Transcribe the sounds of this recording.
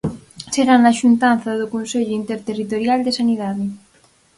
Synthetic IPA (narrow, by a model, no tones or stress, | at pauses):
seɣanaʃunt̪an̟θɐðʊkonseʎʊint̪eɾt̪erit̪oɾjald̪esaniðaðɪ